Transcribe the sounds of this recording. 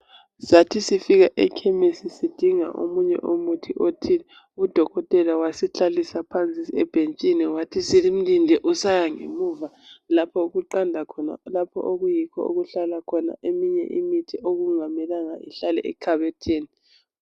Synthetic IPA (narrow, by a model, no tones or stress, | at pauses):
satʰisifiɣaʔɛkʰɛmesisid̥ʱiŋa̰ʔo̰muɲɛ̰ʔomutʰiʔotʰiɛ | ud̥ʱɔɣɔtʼɛlawasit͡ɬʰʼalisapʰant͡sʼiɛb̥ʱent͡ʃʼinɛwatʰisilim̩lindʱɛʔusajaŋḛmuva | lapʰɔuɣuǃandʱakʰɔna̰lapʰɔ̰ʔoɣujikʰɔ̰oɣuɬalakʰɔna̰ʔemiɲɛ̰ʔimitʰiʔoɣuŋamɛlaŋa̰ʔiɬalɛ̰ʔɛ̰kʰaβɛtʰeːni